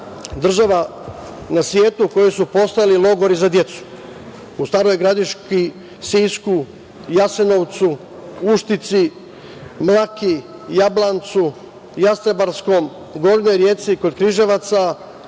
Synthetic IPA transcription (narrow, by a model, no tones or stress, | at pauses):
d̪r̩ʒaʋa | nasʋje̞ːt̪uko̞jesupo̞st̪ajalilˠo̞ɡo̞ɾizad̪je̞t̪su̥ | ust̪aːɾo̞jɡɾad̪iʃki | siːsku | jase̞no̞ʋt̪su | uʃt̪it̪si | mlakijablˠant̪su | jast̪ɾabaɾsko̞m | ɡo̞ɾnojɾje̞ːt̪siko̞d̪̚kɾiʒe̞ʋat̪sa